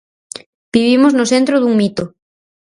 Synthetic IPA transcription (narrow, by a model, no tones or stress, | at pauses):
b̥iβimoznʊsent̪ɾʊðuŋmit̪o